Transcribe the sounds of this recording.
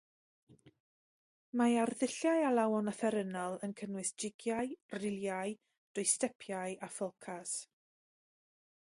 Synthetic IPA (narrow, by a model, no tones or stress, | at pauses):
maarðɪɬjajalˠawɔnəθɛɾənɔlˠənkʰənwɨsd͡ʒɪɡjajrɪlˠjaɨ | d̥ʊɨstɛpʰjajʔafɔlˠkʰas